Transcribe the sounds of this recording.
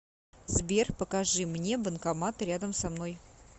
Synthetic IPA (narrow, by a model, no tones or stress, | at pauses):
zbʲerpəkaʐɨmnʲebənkamat̪ɾʲad̪əmsamno̞j